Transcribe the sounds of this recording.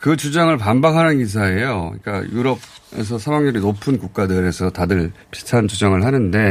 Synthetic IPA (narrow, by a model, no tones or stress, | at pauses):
kɯt͡ɕud͡ʑaŋɯɭpambakʰanɯnkis̬ʰae̞joḭk͈a̰juɾʌb̚ | e̞̰s̬ʰʌsʰamaŋʌɾinopʰɯnkuk̚k͈adɯɾe̞sʰʌtadɯɭpi̥tʰant͡ɕud͡ʑʌŋɯɭɦanɯnde̞